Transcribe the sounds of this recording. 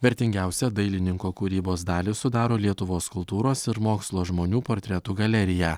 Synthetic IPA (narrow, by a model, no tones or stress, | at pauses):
ʋʲɛɾʲt̪ʲɪŋʲɡʲæˑʊsʲɛd̪ɐɪlʲɪnʲɪŋkoːkuːɾʲiːboːsd̪ɑːlʲɪsʊd̪ɑːɾoːlʲiɛt̪ʊʋoːskʊlˠt̪uːɾoːsɪɾmoːkslˠoːʒmoːnʲuːpoːɾʲt̪ʲɾʲɛt̪uɡɐlʲɛɾʲɪjæː